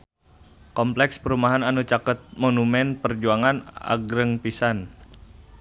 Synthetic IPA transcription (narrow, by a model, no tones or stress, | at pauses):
kɔmplɛkspəɾumaɦananut͡ʃakət̪̚monumɛnpərd͡ʒuaŋana̰ɡɾəŋpisan